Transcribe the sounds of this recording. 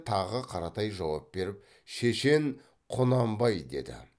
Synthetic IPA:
t̪ʰɑʁəqʰɑɾɑt̪ɑjʒɑwɑp̚be̞ɾɪp̚ | ʃe̞ʃe̞ŋ | qʰʊnɑmbɑjd̪e̞̰d̪ɪ̰

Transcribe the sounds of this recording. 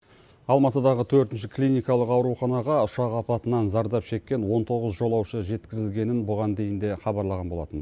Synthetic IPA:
ɑlˠmɑt̪əd̪ɑʁət̪ʰɵɾt̪ɪnʃ̬ɪklʲijnʲijkɑlˠəqɑwɾuχɑnɑʁɑʊʃɑqɑpɑt̪ənɑnzɑɾd̪ɑpʃe̞kʲːe̞nwo̞nt̪ʰo̞ʁəzʒo̞lˠɑwʃəʒe̞t̪kʲɪzɪlɡʲe̞nɪnbʊʁɑnd̪e̞jɪnd̪e̞χɑbɑɾlˠɑʁɑnbolˠɑt̪ən

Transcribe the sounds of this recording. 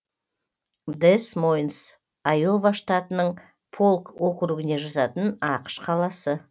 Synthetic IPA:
d̪esmojns | ajo̞vaʃt̪ɑt̪ənəɴ | pʰo̞lˠkwokɾuɡʲɪne̞ʒɑzɑt̪ənɑqə̥ʃqʰɑlˠɑsə

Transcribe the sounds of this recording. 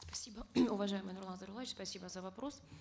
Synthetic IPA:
spɐ̥sʲibəʊvɐʐajɪmɨjnʊrlˠanzəɾʊlˠavɪt͡ɕspɐsʲibəzəvɐpɾo̞s

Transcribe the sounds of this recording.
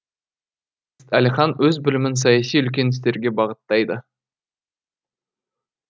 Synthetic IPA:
st̪æliχɑnwɵzbɪlɪmɪns̬ɑjɑsijʏlkʲe̞nɪst̪e̞ɾɡʲebɑʁət̪ːɑjd̪ə

